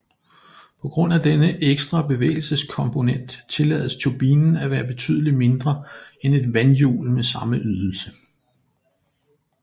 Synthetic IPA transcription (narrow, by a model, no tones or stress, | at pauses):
pʰɒ̽ɡ̥ʁɔ̽n̰æd̥enəʔeɡ̥sd̥ʁɑ̈b̥e̝ʋḛɪl̩səskʰɒ̽mpʰo̝nen̰d̥t͡sʰe̝lɛ̰ːð̩ˠst͡sʰob̥ḭːnn̩æʋæːɐb̥e̝t͡sʰy̰ːð̞ˠlime̝nd̥ʁɐene̝d̥ʋænjṵːlmesɑ̈məʔyðˠl̩sə